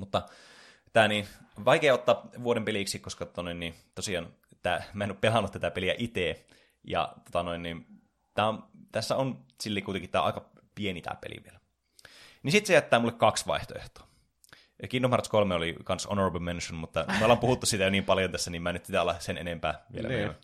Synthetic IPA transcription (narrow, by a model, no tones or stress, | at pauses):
mut̪ːɑ | t̪æːninʋɑikeːot̪ːɑːʋuoɾempeliksikoskɑt̪ot̪ɑnoinnit̪osiɑːn | t̪æːmæenopelɑnːut̪t̪æt̪æpeliæ̰ʔit̪eː | jɑ̰t̪ot̪ɑnoinːin | t̪æːont̪æsːæonsilːikuit̪eŋkit̪æ̰ːʔɑ̰ikɑ | pienit̪æ̰ːpḛlḭʋḭelæ | nisit̪sejæt̪ːæːmulːekkɑksʋɑ̰ˑiht̪o̰ḛht̪o̥ː | kinːomɑrt̪skolmeolikɑnsʔonorɑbəlmenʃonmut̪ːɑmiolɑmpuhut̪ːussiːt̪æjoniːmpɑljont̪æsːænimæːnyt̪sit̪æɑlːɑsenḛnempæ̰ːʋḭḛæ̰ḛy